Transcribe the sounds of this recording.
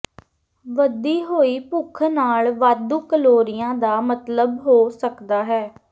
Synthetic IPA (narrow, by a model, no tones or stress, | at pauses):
ʋəd̪iːɦoːiːpʊkʰnaːlʋaːd̪uːkəloːɾɪjãːd̪aːmət̪ləbɦoːsəkd̪aːɦɛː